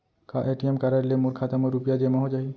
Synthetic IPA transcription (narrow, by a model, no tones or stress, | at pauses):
kaʔeʈiemkaɾaɾlemuɾkʰat̪amɔɾupijad͡ʒemaɦod͡ʒaɦi